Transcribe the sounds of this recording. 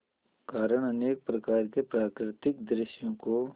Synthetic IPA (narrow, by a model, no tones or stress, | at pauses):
kaːɾəɽ̃ɐneːk̚pɾɐkaːɾkepɾaːkɾɪt̪ɪk̚d̪ɾɪʃjõko